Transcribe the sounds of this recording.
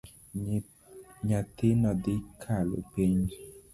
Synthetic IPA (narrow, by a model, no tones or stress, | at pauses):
ɲat̪ɪnɔd̪ɪkʰalo̰piɲ